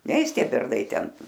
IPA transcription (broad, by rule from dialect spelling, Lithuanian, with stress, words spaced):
ˈnʲɛɪs ˈtʲiɛ ˈbʲɛrnɐɪ ˈtʲɛn